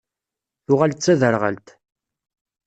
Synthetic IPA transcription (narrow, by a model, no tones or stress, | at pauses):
θʊʁalt͡sːæðəɾʁə̰lt̪